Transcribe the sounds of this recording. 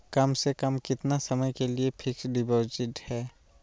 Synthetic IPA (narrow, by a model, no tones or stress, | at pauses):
kɐmsekəmkɪt̪nasɐməjkeliepʰɪksɖɪboɾd͡ʒɪʈhɛː